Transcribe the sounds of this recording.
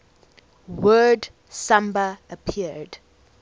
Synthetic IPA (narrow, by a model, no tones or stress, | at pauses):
wɜːd | sãmbəəpʰiəd